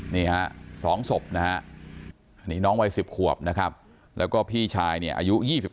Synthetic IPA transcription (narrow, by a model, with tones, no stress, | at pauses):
niː˥˩ha˦˥ʔsɔː˩˦ŋso˨˩p̚na˦˥ha˦˥ʔ | ʔa˧nːiː˦˥nɔː˦˥ŋwa˧jsi˨˩p̚kʰu˨˩əp̚na˦˥kʰa˦˥p̚ | lɛː˦˥wkɔː˥˩pʰiː˥˩t͡ɕʰaː˧jni˥˩ɐʔa̰ː˧ju˦˥jiː˥˩si˨˩